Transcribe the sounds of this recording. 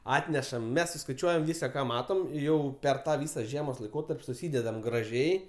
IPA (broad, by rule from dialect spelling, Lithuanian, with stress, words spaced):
ˈɑːtʲnʲɛʃɐm ˈmʲɛs sʊskɐɪˈt͡ʃʲuɔjɛm ˈʋʲiːsɐ kɐ ˈmɑːtoːm ˈjɛʊ ˈpʲɛr ˈtɑː ˈʋʲiːsɐ ˈʒʲiɛmoːs lˠɐɪˈkoːtɐrʲpʲ sʊˈsʲiːdʲɛdɐm ɡrɐˈʒʲɛɪ